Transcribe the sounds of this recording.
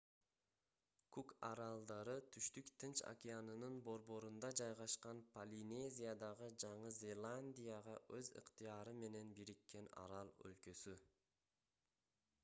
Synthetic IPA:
kukaɾɑlˠd̪ɑɾɯt̪ʰyʃt̪ykt̪ʰɯnt͡ʃa̰kʲianɯnɯnbo̞ɾbo̞ɾund̪ɑd͡ʒɑjʁɑʃqɑnpʰɐlʲine̞zʲijad̪ɑʁɯd͡ʒɑɴɯzʲe̞lˠanʲd̪ʲijaʁɑʔø̞zɯ̰qt̪ijɑɾɯme̞ne̞nbiɾikːe̞nɑ̰ɾɑlˠø̰lkø̞sy

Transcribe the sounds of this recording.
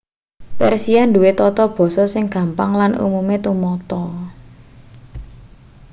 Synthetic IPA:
pɛrsianduwet̪ɔt̪ɔb̥ɔ̤sɔsɪŋɡ̥ä̤mpaŋlanʔṵmumet̪umɔt̪ɔ

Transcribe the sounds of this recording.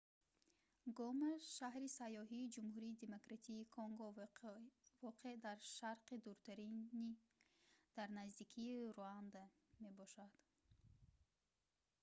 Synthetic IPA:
ɡɔmaʃahɾisajːɔɦiːd͡ʒumhuɾiːd̪e̞mokɾat̪ʰiːkʰɔŋɡɔ | vɔqʰed̪aɾʃaɾqid̪uɾt̪ʰaɾini | d̪̥aɾnazd̪ikʰiːɾuand̪a | me̞bɔʃad̪̥

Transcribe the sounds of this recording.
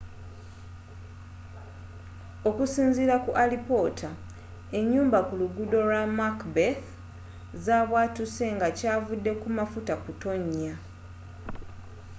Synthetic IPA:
o̞kusiːnziɾakuʔalipo̞tʰa | e̞ɲːuːmbakuluɡudo̞ɾamakbeθ | zaːβwaːtuse̞ŋɡacaːvudːe̞kumafutakuto̞ɲːa

